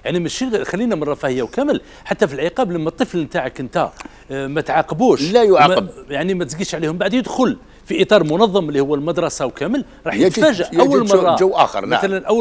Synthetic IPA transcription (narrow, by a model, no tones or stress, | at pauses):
jaʕnimæʃixælːinæmənrˤːɑfæhəjːawkæməl | ħat̪ːæfilʕəqɑblæmːæt̪ˤːəflmt̪aʕəkʔənt̪æ | mæt̪ʕɑqəbuʃlæjʕmjaʕnimæt̪zɡiʃʕlihʊmbaʕd̪jəd̪xʊl | fiʔət̪ˤɑɾˤmʊnɑðˤːɑmlːihʊwːælmɑd̪ɾˤɑsawkæməl | ɾˤɑħjt̪fæʒəʔʔæwːəlmɑˤɑʒəwːʔæ̰xə̰ɾˤmæ̰ælænʔæwː